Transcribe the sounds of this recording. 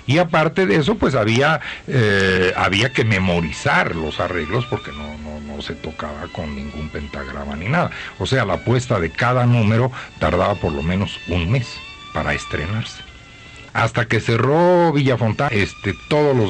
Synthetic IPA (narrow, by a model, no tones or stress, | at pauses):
iapaɾt̪e̞ðee̞s̬o̞pwe̞s̬aβiaea̰βiake̞me̞mo̞ɾisaɾlo̞sare̞ɣlo̞spo̞ɾke̞no̞nono̞se̞t̪o̞ka̰βako̞nːĩŋɡumpe̞nt̪aɣɾa̰ma̰ninaðao̞se̞alapwe̞st̪aðe̞kaðanũme̞ɾo̞t̪a̰ɾðaβapo̞ɾlo̞̰mẽ̞no̞sunme̞s | paɾa̰est̪ɾe̞̰naɾse̥ | a̰st̪ake̞se̞ro̞βiʝafo̞nt̪aest̪e̞t̪o̞ðolo